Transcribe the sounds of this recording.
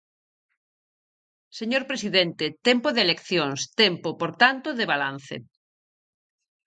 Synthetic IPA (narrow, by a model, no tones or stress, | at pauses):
seɲoɾpɾesiðent̪et̪ɛmpoðelekθjoŋst̪ɛmpopoɾt̪ant̪oðeβalan̟θḛ